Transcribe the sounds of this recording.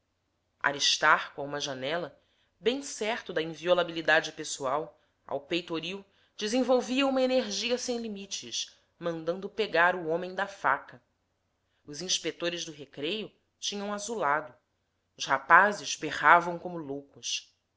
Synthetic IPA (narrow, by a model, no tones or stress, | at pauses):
a̰ɾiʃt̪aɾkʊaũmɐʒanɛlɐ | bẽj̃sɛɾt̪ʊd̪ɐĩviolabilid̪ad͡ʒɪpesuaw | a̰wpejt̪oɾiw | d͡ʒɪzẽvowviɐũmɐeneɾʒiɐsẽj̃limit͡ʃɪʃ | mɐ̃nd̪ɐ̃nd̪ʊpeɡaɾʊõmẽj̃d̪ɐfa̰kɐ | ʊzĩʃpek̚t̪oɾɪzd̪ʊɦekɾejʊ | t͡ʃĩɲɐ̃w̃azulad̪ʊ | ʊʃhapazɪzbeʁavɐ̃w̃kõmʊlowkʊʃ